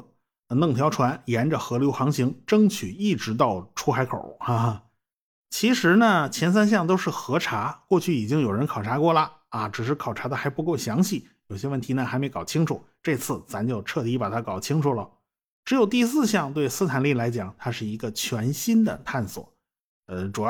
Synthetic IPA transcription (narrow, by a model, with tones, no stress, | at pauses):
nɤ˥˩ŋt̪ʰjɑ˧˥ʊʈ͡ʂʰwa˧˥njɛ˧˥nʈ͡ʂə˨xɤ˧˥ljo˧˥ʊxɑ˧˥ŋɕi˧˥ŋʈ͡ʂɤ˥ŋt͡ɕʰy˨˩i˥˩ʈ͡ʂɻ̩˧˥t̪ɑ˥˩ʊʈ͡ʂʰu˧˥xa˧˥ɪkʰo̰˨˩˦a˥˧˩ | t͡ɕʰi˧˥ʂɻ̩˧˥nə˧t͡ɕʰjɛ˧˥ns̬a˥nɕ̬jɑ˥˧ŋt̪̬o˥ʊʂɻ̩˥˩xɤ˧˥ʈ͡ʂʰa˧˥kwɔ˥˧t͡ɕʰy˥˩i˨˩t͡ɕi˥ŋjo˨˩ʊɻə˧˥nkʰɑ˨˩ʊʈ͡ʂʰa˧˥kwɔ˥˩lə˩ | ɐ˩ʈ͡ʂɻ̩˨˩ʂ̬ɻ̩˥˩kʰɑ˨˩ʊʈ͡ʂʰa˧˥d̪ə˧xa˧˥ɪpu˧˥ko˥˩ɕjɑ˧˥ŋɕi˥˩ | jo˨˩ʊɕjɛ˥wə˥˩nt̪ʰi˧˥nə˧xa˧˥ɪme˧˥ɪkɑ˨˩ʊt͡ɕʰi˥ŋʈ͡ʂʰu˨˩˦ʈ͡ʂɤ˥˧t͡sʰɹ̩˥˩t͡sʰa˧˥nt͡ɕjo˥˧ʊʈ͡ʂʰɤ˥˩t̪i˧˥pa˨˩t̪ʰa˥kɑ˨˩ʊt͡ɕʰi˥ŋʈ͡ʂʰu˨˩lə̰˩ | ʈ͡ʂɻ̩˧˥jo˨˩ʊt̪i˥˧sɹ̩˥˧ɕjɑ˥˧ŋt̪we˥˩ɪsɹ̩˥˧t̪ʰa˨˩nli˥˩la˧˥ɪt͡ɕjɑ˨˩˦ŋt̪ʰa˥ʂɻ̩˥˩i˧˥ɡə˧t͡ɕʰɥɛ˧˥nɕi˥nd̪ə̰˨t̪ʰa˥˩nswɔ̰˨˩˦ | ə˥˧ʈ͡ʂu˨˩˥